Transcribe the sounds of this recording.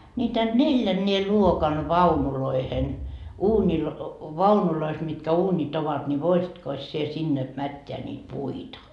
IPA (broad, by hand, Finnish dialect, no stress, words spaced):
nʲiːtæ nelʲjænːeː luokɑn ʋɑunuloihen uːnʲil ʋɑunulois mitkæ uːnʲit oʋɑt nʲi ʋoisitkos sie sinːe mætːeæ niːt puitɑ